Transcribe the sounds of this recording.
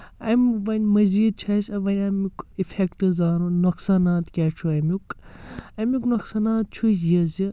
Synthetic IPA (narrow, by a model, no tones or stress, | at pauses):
ɐmʲʋɐnʲmɐziːd̪̚t͡ʃʰɐsʲɐʋɐnʲɐmukifʰekʈɨzaːnunuksaːnaːt̪kʲat͡ʃʰuɐmuk | ɐmuknuksaːnaːt̪̚t͡ʃʰusjɐzi